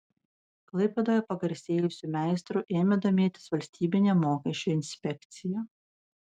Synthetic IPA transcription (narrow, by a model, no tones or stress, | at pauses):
klˠɐɪpʲɛd̪oːjɛpɐɡɐɾʲsʲeːjʊsʲuːmʲæˑɪst̪ɾuʔeːmʲɪd̪oːmʲeːt̪ʲɪ̥sʋɐlʲsʲt̪ʲiːbʲɪnʲemoːkʲɛʃʲt͡ʃʲːʊɪnʲsʲpʲɛkʲt̪sʲɪjɛ